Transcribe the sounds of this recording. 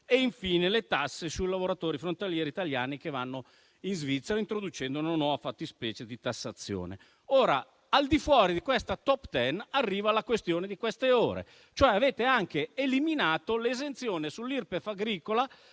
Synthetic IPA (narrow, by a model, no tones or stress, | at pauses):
eiɱfiːnelet̪asːesuilavoɾat̪oːɾifɾont̪aljɛːɾiːt̪aljaːnik̟evanːo | inzvit̪sːeɾaint̪ɾod̪ut͡ʃɛnd̪ouunanwɔvafat̪ːispɛːt͡ʃed̪it̪asːat̪sːjo̰ːnḛ | oːɾa̰ | ald̪ifwɔːɾid̪ikwɛst̪at̪ɔpt̪ɛnarːiːvalakwest̪joːned̪ikwɛst̪eoːɾḛ | t͡ʃoɛaveːt̪eaŋkeːliminaːt̪olezent̪sjoːnesulːirpefaɡɾiːkola